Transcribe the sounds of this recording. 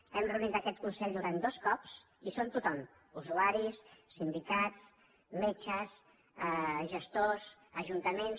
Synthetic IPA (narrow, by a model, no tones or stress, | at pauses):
ɛmrəunit̪əkɛt̪kunsɛʎd̪uɾand̪oskɔps | isont̪ut̪ɔm | uzuaɾisːind̪ikatt͡s | met͡ʃəs | əʒəst̪os | əʒunt̪əmen